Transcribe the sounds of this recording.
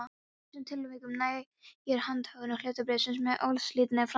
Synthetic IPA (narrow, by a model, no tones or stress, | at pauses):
sɛmt̪ʰɪlːʏmɪkʏmnaːj | jɛɾ̥hant̪haːɣðʏɾnɪhleːt̪apɾɛːsʏnsmɛðʔo̰wlsliːt̪nafɾa